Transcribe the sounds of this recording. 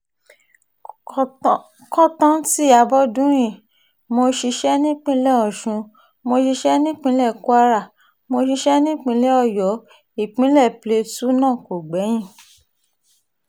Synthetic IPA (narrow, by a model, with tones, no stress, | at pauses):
kɔ˦tã˦ti˦˨a˨bɔ˦dũ˨˦j̃ĩ˦˨ | mo˧ʃi˧ʃɛ˦nĩ˦k͡pĩ˧˦lɛ˦˨ɔ̃˨ʃũ˨˧ | mo˧ʃi˧ʃɛ˦nĩ˦k͡pĩ˧˦lɛ˦˨ku˦a˧ɾa˦˨ | mo˧ʃi˧ʃɛ˦nĩ˦k͡pĩ˧˦lɛ˦ɔ˦˨jɔ˨˦ | i˦˨k͡pĩ˨˦lɛ˦˨ple˧tu˦nãː˦˨ko˨ɡ͡bɛ˨˦j̃ĩ˦˨